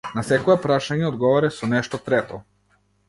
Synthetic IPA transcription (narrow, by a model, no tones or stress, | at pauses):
nasɛkɔɛpɾaʃaɲɛod̪ɡɔvɔɾɛsɔnɛʃt̪ɔt̪ɾɛt̪ɔ